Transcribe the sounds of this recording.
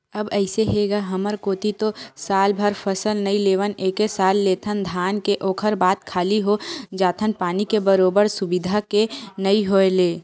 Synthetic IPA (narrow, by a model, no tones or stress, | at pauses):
əbəɪseɦeɡaɦəməɾkoːt̪it̪osaːlbʱəɾpʰəsəlnɐileːʋəneːkesaːlːeːt̪ʰənd̪ʱaːnkeʔoːkʰəɾbaːt̪kʰaːliɦod͡ʒaːt̪ʰənpaːnikebəɾoːbəɾsʊbɪd̪ʱakenəiɦoeleː